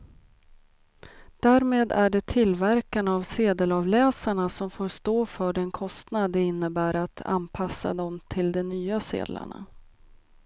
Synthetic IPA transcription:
d̪̥æːɾmeːd̪æ̰ɖɛt̪ʰɪlvæɾkanavseːd̪əlɑvlɛːsaɳasɔmfoːɾʂt̪oːfœːɖɛnkʰɔst̪nad̪ɛɪnːəbæːɾat̪ʰa̰npʰasːa̰d̪ɔmt̪ʰɪld̪ɛnyːasḛːd̪la̰ɳa̰

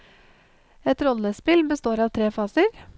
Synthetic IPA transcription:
ɛt̪ɾɔləspɪlbəst̪oːɾɑːʋt̪ʰɾeːfɑːsəɾ

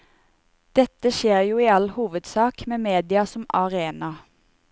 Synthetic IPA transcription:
d̪̥ɛt̪əʃeːʁjuːiːɑlhuːʋəd̪sɑːkmeːmeːd̪ɪɑsɔmɑʁeːnɑ

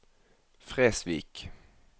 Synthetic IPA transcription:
fʁeːsviːk

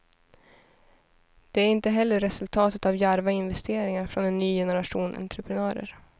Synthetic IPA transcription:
d̪̥ɛæɾɪnt̪əɦɛlːəɾːɛsɵlt̪ʰɑːt̪ət̪avjæɾvaɪnvɛst̪ʰeːɾɪŋaɾfɾɔnɛnːyːjɛnəɾaʂuːnʔɛ̰nt̪ʰɾəpʰɾɛnœːɾə̰ɾ

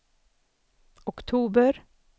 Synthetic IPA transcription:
ɔkt̪ʰuːbəɾ

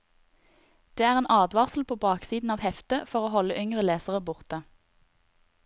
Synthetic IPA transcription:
d̪̥eːæːʁeːnʔɑːd̪ʋɑʁsl̩pʰoːbɑːksiːd̪n̩ɑːʋhɛft̪əfɔʁoːhɔləʔʏŋʁəleːsəʁəbʊʁt̪ə

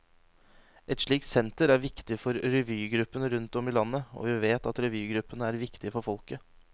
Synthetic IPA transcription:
ʔɛt̪ʂɭiːksɛnt̪əɾæɾʋɪkt̪ɪfɔɾɾɛʋyːɡɾʉpːənəɾʉnt̪ɔmiːlɑnːəo̰ːʋɪʋeːt̪ɑt̪ɾɛʋʉːɡɾʉpːənəæːɾʋɪkt̪ɪəfɔɾfɔlkə

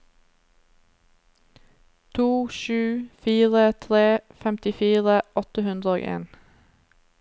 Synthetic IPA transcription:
t̪ʰuːʃʉːfiːʁət̪ʰʁeːfɛmt̪ɪfiːʁəʔɔt̪əhʉnd̪ʁəoːʔḛːn

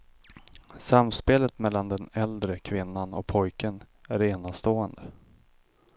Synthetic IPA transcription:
samspeːlət̪mɛlːand̪ɛnɛld̪ɾəkʰvɪnːanɔ̰pʰɔjkən | æɾeːnast̪oːənd̪ə

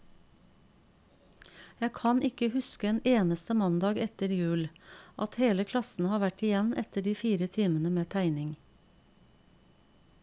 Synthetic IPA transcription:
jækʰɑnɪkəhʉskəeːneːnəst̪əmɑnd̪ɑːɡɛt̪əɾjʉːlʔɑt̪heːləkʰlɑsn̩hɑːʋæʈɪjɛnʔɛt̪əɖiːfiːɾət̪ʰiːmənəmeːt̪ʰæɪnɪŋ

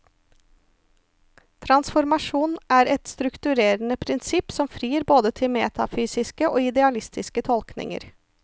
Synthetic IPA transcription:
t̪ʰɾɑnsfɔɾmɑʂuːnʔæːɾɛt̪st̪ɾʉkt̪ʉɾeːɾənəpʰɾɪnsɪpsɔmfɾiːəɾboːd̪ət̪ʰɪlmeːt̪ʰɑfyːsɪskəʔoːɪd̪ɛɑlɪst̪ɪskət̪ʰɔlknɪ̰ŋə̰ɾ

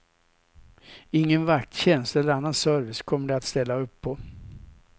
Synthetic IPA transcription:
ɪŋːənvak̚t̪ɕɛnsɛlːəɾanːansœɾvɪskʰɔmːəɖɛat̪st̪ɛlːaɵpʰːɔ

